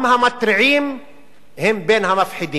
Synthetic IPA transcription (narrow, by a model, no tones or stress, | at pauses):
mhamat̪ɾʕiːm | hɪmbeːnhamafħɪd̪iː